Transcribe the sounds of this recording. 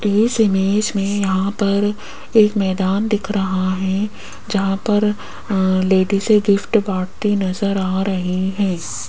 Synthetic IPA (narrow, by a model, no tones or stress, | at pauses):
ɪːsɪmeːd͡ʒmẽjɐɦãpɐɾ | eːkmɛːd̪aːnd̪ɪkʰɾɐɦaɦɛ̃ | d͡ʒɐɦãpɐɾ | leːɖiseɡɪfʈbaːɽt̪inɐzəɾaːɾɐɦiɦɛ̃ː